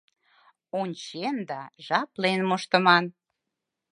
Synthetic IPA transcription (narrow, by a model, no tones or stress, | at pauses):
unʲt͡ɕend̪ɑʒɑplenmoʃt̪ə̆mɑn